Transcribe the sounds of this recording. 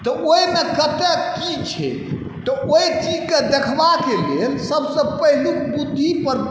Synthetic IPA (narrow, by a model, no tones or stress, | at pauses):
t̪ɔʔoimekət̪ekit͡ʃʰɛ̰ | t̪ɔoit͡ʃid͡ʒked̪ekʰʋakelelsəbsə̃pəɦlukbud̪ʱːipəɾ